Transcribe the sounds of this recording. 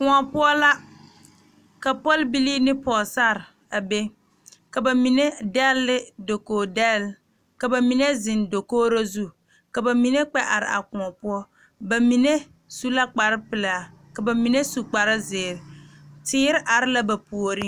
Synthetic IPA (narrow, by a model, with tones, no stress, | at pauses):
kʊ˨a˨pʊ˦ɔ˦la˦ | ka˨pɔ˦lbi˦li˦nɪ˦pɔ˨sa˦˨ɾ | a˨be˦ | ka˨ba˨mi˨ne˦dɛ˦lːɪ˦do˨koː˨dɛ˦˨l | ka˨ba˨mi˨ne˦zɪ˨ndo˨koː˦ɾo˦zu˦ | ka˨ba˨mi˨ne˦k͡pɛ˦ʔa̰˨ɾɪ̰˨a̰˨kʊ˨ɔ˨pʊ˦ɔ˦ | ba˨mi˨ne˦ | su˦la˦k͡pa˨ɾɪ˦pɪ˨la˨ | ka˨ba˨mi˨ne˦su˨k͡pa˨ɾɪ˦zɪː˨ɾɪ˨tɪː˦ɾɪ˦ʔa˨ɾɪ˦la˦ba˨pu˨o˨ɾɪ˦